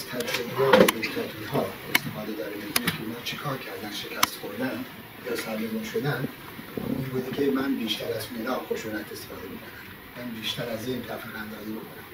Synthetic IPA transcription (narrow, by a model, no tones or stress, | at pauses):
zt̪ʰæd͡ʒɾobɾɒːɾedekʰæt̪ʰizɦɒːest̪ʰe̞fɒːd̪ed̪ɒːɾed̪eɡunekʰeunhɒːt͡ʃʰekʰɒːɾkʰæɾd̪æn̥ʃekʲʰæst̪xoɾd̪ænd̪ | sælːemunʃod̪æn | inbuːd̪ekʰemænbiːʃt̪ʰæɾæzmelɒːlxoʃuːnæt̪est̪e̥fɒːd̪emikʰonæm | mænbiːʃt̪æɾæziːnt̪ʰæfæɣænd̪ɒːziːbokʰonæm